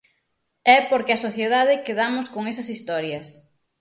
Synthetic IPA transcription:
ɛpoɾkɪɐsoθjeð̞aðɪkeðamʊskoŋɛsɐsist̪ɔɾjɐs

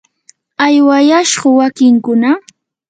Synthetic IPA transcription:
ajwajaʃɢʊwakɪŋkʊna

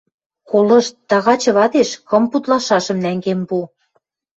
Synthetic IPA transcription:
kolɤ̆ʃt̪t̪ːɑɣɑt͡ɕɤ̆βɑd̪eʃkɤ̆mput̪lɑʃɑʃɤ̆mnæŋɡembu

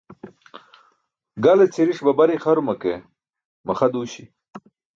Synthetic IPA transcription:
ɡalet͡sʰeɾiʂbabaɾixaɾumɐke | mɐχad̪uɕi

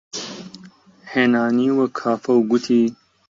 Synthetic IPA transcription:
henaːniːwɐkʰaːfɐwɡut̪ʰiː

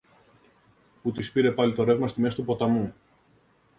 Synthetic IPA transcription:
put̪ispiɾe̞pɐlit̪o̞ɾe̞vmɐst̪imest̪upo̞t̪ɐmu

